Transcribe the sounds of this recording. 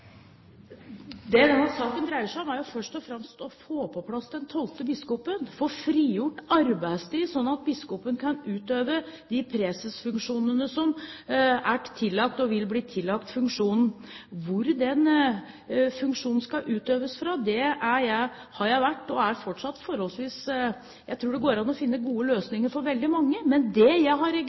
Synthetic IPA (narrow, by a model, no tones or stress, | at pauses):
d̪ɛd̪ɛnsɑːkənd̪ɾæɪəʂæɔmæɾjʊfœʂʈɔfɾɛmst̪ɔfoːpʰɔpʰlɑsd̪ɛnt̪ʰɔlt̪əbɪskɔpənfɔɾfɾiːjʊʈːɑɾbæɪst̪iːsɔnːɑt̪̚bɪskɔpənkʰɑnʉːt̪øːʋəd̪ɪpʰɾɛsəsfʉŋkʂuːnənəsɔm | æʈt̪ʰɪlːɑk̚t̪ɔʋɪlbliːt̪ʰɪlːɑkt̪fʉŋkʂuːnn̩ | ʋʊɾd̪ɛn | fʉŋkʂuːnn̩skɑʔʉːt̪øːʋəsfɾɑd̪ɛæjæɪ | hɑɾjæɪʋæʈːɔæɾfɔʈʂɑt̪ːfɔɾhɔlsʋiːs | jæɪt̪ʰɾuːɖɛɡoːɾɑnːɔfɪnːəɡuːəløːsnɪŋəɾfɔɾʋɛld̪ɪmɑŋːəmɛnd̪ɛjæɪɦɑɾɛ